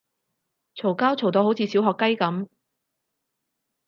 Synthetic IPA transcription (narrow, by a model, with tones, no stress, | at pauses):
t͡sʰo˨˩wkaː˥wt͡sʰo˨˩wt̪o˧who˨˥wt͡sʰiː˨˧siː˨˥wɦɔː˨˧kːɐ˥jkɐ˨˥m